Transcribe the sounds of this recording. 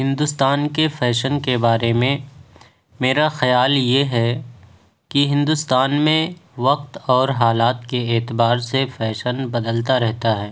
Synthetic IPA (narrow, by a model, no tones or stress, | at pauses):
ɦɪ̃nd̪ʊst̪aːnkefɛːʃənkebaːɾemẽ | meːɾaxɐjaːljeɦɛ | kiɦɪ̃nd̪ʊst̪aːnmẽʋɐq̚t̪ɔːɾɦaːlaːt̪keeːt̪ɪbaːɾsefɛːʃənbɐd̪əlt̪aɾɛɦt̪aɦɛː